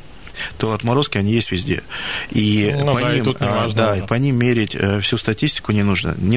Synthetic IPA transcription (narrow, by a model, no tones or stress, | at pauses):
t̪oɐt̪mɐɾo̞skʲɪɐnʲijesʲtʲvʲɪzʲdʲḛipɐɐimd̪aipɐnʲimːʲeɾʲɪtʲəfsʲust̪ɐtʲisʲtʲɪ̥kʊnʲɪnuʐnə̰nʲɪ